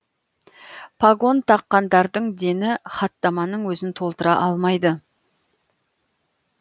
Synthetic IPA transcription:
pʰaɡo̞nt̪ʰɑqːɑnd̪ɑɾd̪əɴd̪e̞nɪχɑt̪ːɑmɑnəɴwɵzɪnt̪ʰo̞lˠt̪əɾɑʔɑlˠmɑjd̪ə

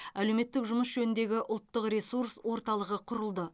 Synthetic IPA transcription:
æle̞wme̞t̪ːɪkʒʊməsʒɵnɪnd̪e̞ɡʲɪʔʊlˠt̪ːəqɾesuɾswo̞ɾt̪ɑlˠəʁəqʰʊɾəlˠd̪ə

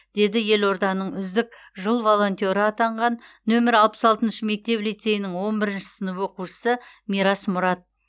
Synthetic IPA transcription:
d̪̥e̞d̪ɪje̞lo̞ɾd̪ɑnəɴʏzd̪ɪk | ʒəlˠvo̞lˠo̞nʲt̪ʲo̞ɾəɑt̪ɑɴʁɑnː | ɵmɪɾɑlˠpə̥sɑlˠt̪ənʃəme̞k̚t̪e̞plijt̪se̞jɪnɪŋwo̞nbɪɾɪnʃɪ̥sənəpwo̞quʃə̥səmijɾɑsmʊɾɑt̪̚

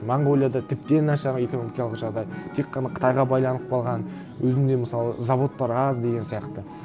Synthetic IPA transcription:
maɴɡo̞lʲˠijad̪ɑt̪ʰɪp̚t̪e̞nɑʃɑʁəeko̞nomikʲjɑlˠəqʒɑʁd̪ɑjt̪ʰe̞kːɑnɑqʰə̥t̪ʰɑjʁɑbɑjlˠɑnəp̚qʰɑlˠʁɑn | wɵzɪmd̪e̞məsɑlˠəzɑvo̞t̪ːɑɾɑzd̪e̞ɡʲensijɑqt̪ə

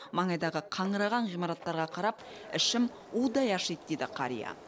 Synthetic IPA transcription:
mɑɴɑjd̪ɑʁəqʰɑɴəɾɑʁɑɴʁijmɑɾɑt̪ːɑɾʁɑqʰɑɾɑp̚ | ɪʃɪm | ud̪ɑjɑʃejt̪d̪ed̪ɪqʰɑ̰ɾḭjɑ̰

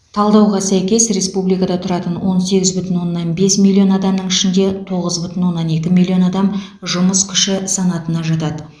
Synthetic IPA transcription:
t̪ʰɑlˠd̪ɑwʁɑsæjkʲe̞sɾe̞spublijkɑd̪ɑt̪ʰʊɾɑt̪ənwo̞nse̞ɡʲɪzbʏt̪ɪnwo̞nːɑnbe̞smʲilʲˠːio̞nɑd̪ɑmnəɴɪʃɪnd̪e̞t̪ʰo̞ʁəzbʏt̪ɪnwo̞nːɑne̞kʲɪmilʲˠːio̞nɑd̪ɑm | ʒʊməskʲʰʏ̥ʃɪsɑnɑt̪ənɑʒɑt̪ɑd̪ə

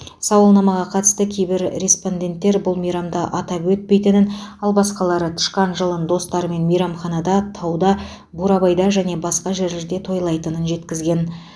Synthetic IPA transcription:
sɑwəlˠnɑmɑʁɑqʰɑt̪əst̪əkʲʰe̞jbɪɾɾʲespo̞nd̪ʲe̞nt̪ːe̞ɾbʊlˠmijɾɑmd̪ɑʔɑt̪ɑpwɵt̪̚pe̞jt̪ɪnɪnɑlˠbɑsqɑlˠɑɾət̪ʰʏ̥ʃqɑnʒəlˠənd̪o̞st̪ɑɾəme̞nmijɾɑmχɑnɑd̪ɑt̪ʰɑwd̪ɑ | buɾɑbɑjd̪ɑʒæne̞bɑsqɑʒeɾlɪɾd̪e̞t̪ʰo̞jlˠɑjt̪ənənʒe̞t̪kʲɪzɡʲe̞n

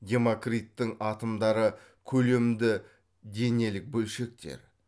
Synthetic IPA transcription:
d̪ʲe̞mo̞krit̪ːɪŋɑt̪əmd̪ɑɾə | kʲʰɵle̞md̪ɪ | d̪e̞ne̞lɪk̚bɵlʃe̞k̚t̪ḛɾ

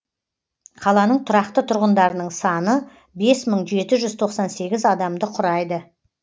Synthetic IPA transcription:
qʰɑlˠɑnəɴt̪ʰʊɾɑqt̪ət̪ʰʊɾʁənd̪ɑɾənəɴsɑnə | be̞sməɴʒe̞t̪ɪʒʏzt̪ʰo̞qsɑnse̞ɡʲɪzɑd̪ɑmd̪əqʰʊɾɑjd̪ə

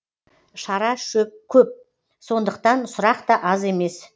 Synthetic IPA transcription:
ʃɑɾɑʃɵp̚kʲʰɵp̚ | so̞nd̪əqt̪ɑnsʊɾɑqt̪ɑʔɑze̞me̞s

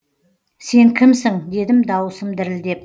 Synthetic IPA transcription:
se̞ŋkʲʰɪmsɪŋd̪e̞d̪ɪmd̪ɑwəsəmd̪ɪɾɪld̪e̞p̚

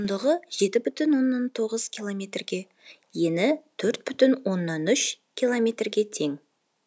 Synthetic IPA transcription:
ʊnd̪əʁəʒ̥e̞t̪ɪbʏt̪ʏnwo̞nːɑnt̪ʰo̞ʁəz̥kʲʰilˠomʲe̞t̪rɡʲe̞ | jenɪt̪ʰɵɾt̪̚bʏt̪ʏnwo̞nːɑnʏʃ | kʲʰilˠo̞mʲe̞t̪rɡʲe̞t̪ʰe̞ŋ

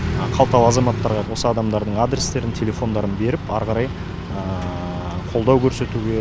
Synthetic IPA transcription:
qʰɑlˠt̪ɑlˠɑzɑmɑt̪ːɑɾʁɑwo̞səɑd̪ɑmd̪ɑɾd̪əɴad̪ɾʲest̪e̞ɾɪnt̪ʲʰe̞lʲe̞fo̞nd̪ɑɾənbe̞ɾɪpɑ̰ɾʁɑɾɑj | ə | qʰo̞lˠd̪ɑwkʲʰɵɾse̞t̪uɡʲe̞

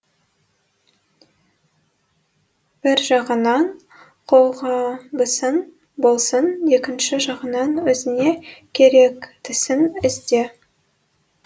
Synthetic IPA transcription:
b̥ɪɾʒɑʁənɑɴ | qʰo̞lˠʁɑbəsən | bo̞lˠsənje̞kʲɪnʃɪʒɑʁənɑnwɵzɪnekʲʰe̞ɾekt̪ʰɪsɪnɪzd̪e̞

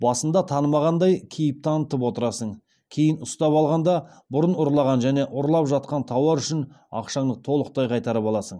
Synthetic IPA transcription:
bɑsənd̪ɑt̪ʰɑnəmɑʁɑnd̪ɑjkʲʰejɪp̚t̪ʰɑnət̪əpwo̞t̪əɾɑsəɴ | kʲʰe̞jɪnʊst̪ɑpɑlˠʁɑnd̪ɑ | bʊɾənʊɾlˠɑʁɑnʒæne̞ʔʊɾlˠɑpʒɑt̪̚qɑnt̪ʰɑwɑɾʏʃɪnɑ̰qʃɑɴd̪ət̪ʰo̞lˠəq̚t̪ɑjqʰɑjt̪ɑɾəpɑlˠɑsəɴ

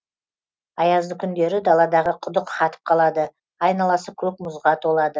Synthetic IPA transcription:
ɑjɑzd̪əkʲʰʏnd̪e̞ɾɪd̪ɑlˠɑd̪ɑʁəqʰʊd̪əqχɑt̪ə̥p̚qʰɑlˠɑd̪ə | ɑjnɑlˠɑsəkʲʰɵk̚mʊzʁɑt̪ʰolˠɑd̪ə

